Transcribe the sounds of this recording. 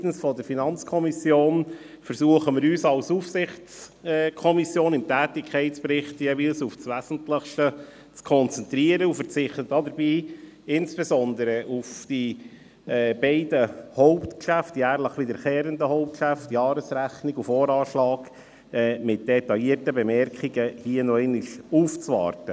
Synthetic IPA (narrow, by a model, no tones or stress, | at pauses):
tn̩sfɔdəɾfinɑnt͡skʰɔmisjoːn | fəɾsuəχəmɪɾyːsɑlsufsɪχt͡sːkʰɔmisjoːnɪmtæːtɪkʰɛɪtt͡spɾɪχtjeːviːlsufsʋæːz̥ən̩tləχʃtə | t͡skʰɔnt͡sɛntɾiəɾəufəɾt͡sɪχtətːɑːdəɾbiː | ɪnsb̥esɔnd̪əɾəʔufd̥i | ɛːb̥ɛɪdəhɔʊptkʃæftjæːɾləχʋɪdəɾχɛːɾəndəhɔʊp̚t̚kʃæftjɑːɾəsɾæχniɡufɔːɾɑːʃlɑːk | ɛːmɪt̚d̥ɛtɑliːətəbɛmɛrkʰiɡəhiənɔɛɪnɪʃuːft͡sʋɑ̰ːɾtə